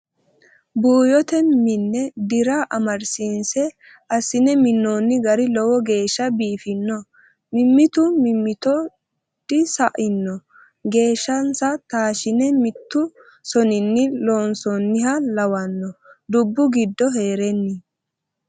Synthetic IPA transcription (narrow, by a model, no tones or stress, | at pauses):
buːjɔt̪ɛmɪnːɛd̪ɪɾɐʔɐmɐɾsinsɛ | ʔɐsɪnɛmɪnːoːnːɪɡɐɾɪlɔwɔɡe̞ːʃːɐbiːfɪnːɔ | mɪmːɪt̪ʊmɪmːɪt̪ɔ | d̪ɪsɐʔɪnːɔ | ɡe̞ːʃːɐnsɐt̪aːʃɪnɛmɪt̪ːʊ | sɔnɪnːɪloːnsɔnːɪhɐlɐwɐnːɔd̪ʊbːʊɡɪd̪ːɔɦe̞ːɾɛnːɪ